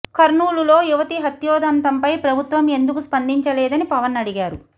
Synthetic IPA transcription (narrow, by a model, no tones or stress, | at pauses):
kɐɾnuːlulo̞ːjuʋɐt̪iɦɐt̪jɔːd̪ɐnt̪ɐmpɐjpɾɐbʱut̪ʋɐme̞nd̪ukuspɐnd̪iɲt͡ʃɐlɛːd̪ɐnipɐʋɐnːɐɽiɡaːɾu